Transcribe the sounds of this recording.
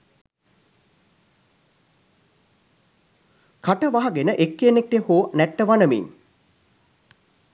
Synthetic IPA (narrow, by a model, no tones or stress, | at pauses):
kaʈəʋaɦɐɡenəʔekːeːnek̚ʈehoːnɛʈːəʋanəmḭn